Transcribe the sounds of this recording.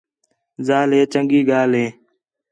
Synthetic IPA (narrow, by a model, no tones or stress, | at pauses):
zaːlɦeːt͡ʃəŋɡiːɡaːlɦẽː